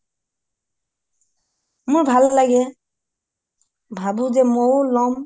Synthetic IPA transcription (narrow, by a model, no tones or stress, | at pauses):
muɹbʱallaɡɛ | bʱabuzɛmowlɔm